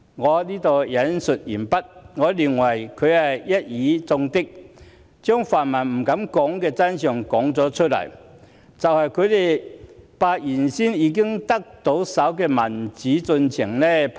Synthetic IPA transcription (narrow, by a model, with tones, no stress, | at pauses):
ŋɔː˨˧liː˥t̪o˨wjɐ˨˥nsɵ˨t̚jiː˨˩npɐ˥t̚ŋɔː˨˧liː˨˩ŋwɐ˨˩jkʰɵ˨˧ɥɐ˨jjɐ˥t̚jiː˨˧t͡sʊ˧ŋt̪ɪ˥k̚ | t͡sœː˥ŋfaː˨˩nmɐ˨˩nm̩˨˩kɐ˨˥mkɔː˨˥ŋkɛː˧t͡sɐ˥nsœː˨ŋkɔː˨˥ŋt͡sɔː˨˥t͡ʃʰɵ˥t̚lɐ̰˨˩j | t͡sɐ˨whɐ˨jkʰɵ˨˧ɥt̪e˨jpaː˧t̚jiː˨˩nsiː˥njiː˨˧˥k̬ɪ˥ŋt̪ɐ˥k̚t̪o˨˥wsɐ˨˥wkɛː˧mɐ˨˩nt͡siː˨˥t͡sɵ˧nt͡sʰɪ˨˩ŋnɛ˥